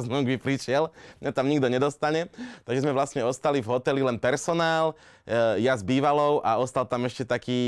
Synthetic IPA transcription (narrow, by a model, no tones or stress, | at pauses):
znuɡbipɾiʃɪɛlmɲat̪amɲiɡd̪ɔɲɛd̪ɔst̪aɲɛt̪aɡʒɛzmɛʋlast̪ɲɛɔst̪alivɦɔt̪ɛlilɛnpɛɾsɔnaːl | jazbiːʋalɔʊʔaɔst̪alt̪amɛʃcɛt̪akiː